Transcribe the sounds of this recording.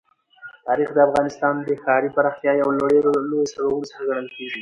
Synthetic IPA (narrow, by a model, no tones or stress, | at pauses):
t̪ɑɾixd̪əafɣɑnɪst̪ɑnd̪əxɑɾipaɾɑxt̪jɑjawloɽeɾolojosaɽawunsəɾɡaɽ̃əlkeɡi